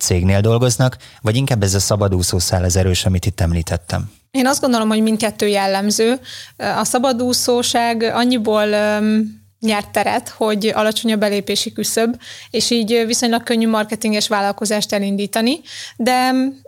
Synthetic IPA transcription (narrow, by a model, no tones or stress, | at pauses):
t̪seːɡneːld̪o̞lɡo̞znɒkvɒɟiŋkaːbːɛzɒsɒbɒd̪uːsoːsaːlɒzɛɾøːʃɒmit̪it̪ːɛmliːt̪ʰɛt̪ːɛ̰m | eːnɒzd̪ɡo̞nd̪o̞lo̞mho̞ɟmint̪kɛt̪ːøːjɛlːɛmzøːɒsɒbɒd̪uːsoːʃaːɡɒɲːiboːl | ɲɛrt̪ːɛɾɛ̰t̪ho̞ɟɒ̰lɒt͡ʃo̞ɲɒbːɛleːpeːʃikysøbeːʃiːɟviso̞ɲlɒkːøɲːyːmɒrkɛt̪iŋɡɛʃʋaːlɒlko̞zaːʃt̪ɛlind̪iːt̪ɒnid̪ɛ